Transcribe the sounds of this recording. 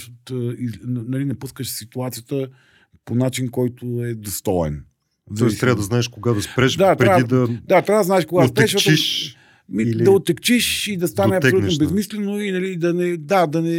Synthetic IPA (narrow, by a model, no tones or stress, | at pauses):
ot̪inɐlinɐpuskəʃsit̪uat̪sijət̪ə | ponat͡ʃinkɔjt̪oɛd̪ost̪ɔɛ̰n | nɔit̪ɾavəd̪ɐznaɛʃkoɡad̪ɐspɾɛʃd̪at̪pɾɛadid̪ɐd̪at̪ɾavəd̪znaɛʃkoɡstpɾɛʃɐi | mid̪ɐot̪ːɛkt͡ʃiʃid̪ɐst̪anɛɐp̪ɛolunobɛzmislɛnoinɐlid̪ɐnɛd̪ad̪ɐnɛ